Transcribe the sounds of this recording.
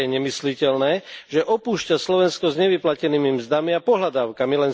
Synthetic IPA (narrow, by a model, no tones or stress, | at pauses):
ɛɲɛmislicɛlnɛːʒɛʔɔpuːʃcaslɔʋɛnskɔzɲɛʋiplacɛniːmimzd̪amiapɔɦlad̪aːʊkamilɛn